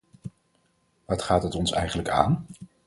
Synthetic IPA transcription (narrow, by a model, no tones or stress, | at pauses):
ʋɑtχaːtɦətɔnsɛ̰jχənləka̰ːn